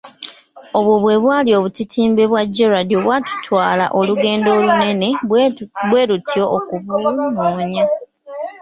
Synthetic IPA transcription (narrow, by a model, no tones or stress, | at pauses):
o̞βwoβwe̞ːβwaːlio̞ːβucitʰiːmbe̞βwaɟːeɾadjoβwaːtu̥tʰwaːla̰ʔoluɡe̞ːndo̞ːlune̞ne̞ | bwe̞ːlutʰio̞ʔːkuβunoːɲa